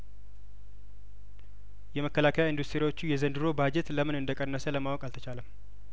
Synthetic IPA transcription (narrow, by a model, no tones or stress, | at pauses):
jɛməkːəlakʰəjaind̪ust̪ʰɾiwo̞t͡ʃːujɛzənd̪ɨɾo̞bad͡ʒɛt̪ləmɨnɨnd̪əkʼənːəsələmawɔkʼalt̪ʰət͡ʃaləm